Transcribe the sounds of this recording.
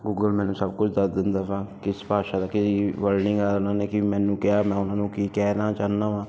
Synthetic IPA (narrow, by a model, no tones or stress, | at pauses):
ɡuːɡəlmɛ̃ːnũːsəb̚kʊt͡ʃʰd̪əsd̪ɪnd̪aːsãːkɪspaːʃaːd̪aːkɪsiːʋəɾnɪŋɡaːnãːneːkɪmɛ̃ːnũːkɪjaːmɛ̃ːʊnãːnũːkikɛːnaːt͡ʃaːnaːʋãː